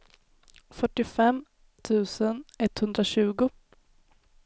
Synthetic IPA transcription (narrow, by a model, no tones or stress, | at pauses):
fœʈːɪfɛmː | t̪ʰʉ̟ːsənɛt̪ːhɵnd̪ɾaɕʉ̟ːɡʊ